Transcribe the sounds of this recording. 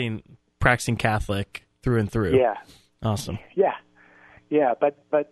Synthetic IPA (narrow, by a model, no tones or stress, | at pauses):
ɪ̃ŋ | pʰɹ̥æk̚tɨ̥sɪ̃ŋkʰæθlˠɪk̚ | θɹʉɨ̃nθɹʉjæ | ʔɔsə̰̃mjæ | jæb̥ʌt̚b̥ʌt̚